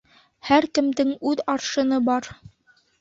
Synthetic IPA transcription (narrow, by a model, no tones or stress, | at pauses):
hæɾkɘ̆md̪ɘŋʉðɑɾʃɤ̆nɤbɑɾ